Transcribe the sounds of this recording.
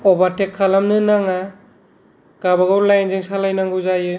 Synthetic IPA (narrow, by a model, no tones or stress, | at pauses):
ɔbatekʰːalamnɯnaŋa | ɡ̥abaɡɯwlajnziŋsalajnaŋɡɯzajɯ